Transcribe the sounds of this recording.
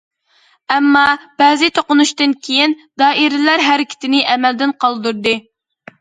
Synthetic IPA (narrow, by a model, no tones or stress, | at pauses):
ɛmːɑb̥ɛːzɪt̪ʰoqʊnuʃt̪ɨnkʲʰejind̪ɑːiɾɪlæɾɦæɾɪkʲʰɪ̥t̪ʰɪnɪʔɛmɛld̪ɪnqʰɑlˠd̪uɾd̪ɨ